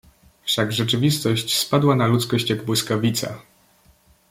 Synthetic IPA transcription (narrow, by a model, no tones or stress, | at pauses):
fʂaɡʐɛt͡ʂɘvʲist̪ɔɕt͡ɕspad̪wanalut̪skɔɕt͡ɕjaɡbwɘskavʲit̪sa̰